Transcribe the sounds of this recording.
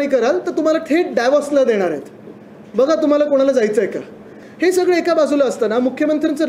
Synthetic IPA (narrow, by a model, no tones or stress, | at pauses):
ɽiːkəɾalt̪əɾt̪um̤alaʈʰeʈɖajʋɔslad̪eɽ̃aɾjḛt̪ | bəɡʱat̪um̤alakoɽ̃alad͡zajt͡səeka̰ | hesəɡɭəekabad͡zʱuləəst̪anamukʰːjəmənt̪ɾant͡sə